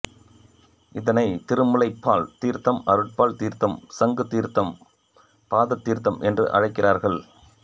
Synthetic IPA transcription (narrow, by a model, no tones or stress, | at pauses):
ʔɪðɐnɐɪt̪ɪɾɯmɯlɐɪpːaːlt̪iːɾt̪ɐmɐɾɯʈ̚paːlt̪iːɾt̪ɐmsɐŋɡɯt̪ːiːɾt̪ɐm | paːðɐt̪ːiːɾt̪ɐmʔɛndrɯ̰ʔɐ̰ɻɐɪkːɪraːɾɣɐɭ